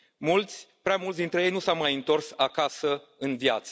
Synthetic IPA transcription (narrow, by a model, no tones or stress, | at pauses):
mult̪sʲpɾeamult̪sd̪int̪ɾeje̞jnusawmajɨnt̪o̞rsakasəɨnvjat̪sə